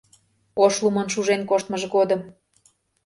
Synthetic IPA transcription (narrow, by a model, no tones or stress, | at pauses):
oʃlumɤnʃuʒenkoʃt̪məʒɣod̪əm